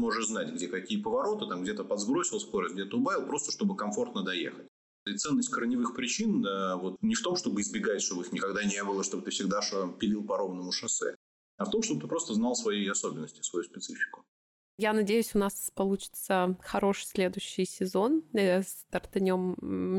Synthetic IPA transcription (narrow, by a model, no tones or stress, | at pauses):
mo̞ʐəʂznatʲɡdʲekɐkʲijəpəvɐɾo̞t̪ɨt̪amɡdʲet̪əpɐd̪zbɾo̞sʲɪlˠsʲkoɾəzʲɡdʲet̪əʊbavʲɪlˠpɾo̞st̪ə̥ʂt̪o̞bɨkɐɱfo̞rt̪nəd̪ɐjḛxətʲ | t̪sɛnːəsʲtʲkəɾənʲɪvɨxpɾʲɪt͡ɕinəvo̞t̪nʲɪft̪o̞mʂt̪o̞bɨɪzbʲɪɡatʲʂt̪o̞bəɨxnʲɪkɐɡd̪anʲebɨlˠəʂt̪o̞bət̪ɨfsʲɪɡd̪aʂmpʲɪlʲilˠpɐɾo̞vnəmʊʂɐsɛ̰ | ɐft̪o̞mʂt̪o̞bət̪ɨpɾo̞st̪əznɑlˠsvɐjejɐsobʲɪnːəsʲtʲɪ̥svɐjuspʲɪt̪sɨfʲɪ̥kʊ̥ | janɐdʲejʉsʲʊnaspɐlˠut͡ɕɪ̥t̪səxɐɾo̞ʂɨ̥sʲlʲe̞d̪ʊjɕːɪjsʲɪzo̞nst̪ərt̪ɐnʲo̞m